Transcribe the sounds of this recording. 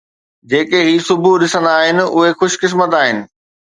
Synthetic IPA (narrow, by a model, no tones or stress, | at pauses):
d͡ʑeːkeɦiːsʊbʱuɗɪsə̃nd̪aːɦɪnɪ̆ʊɦexʊʃkɪs̬mət̪aːɦɪnɪ̆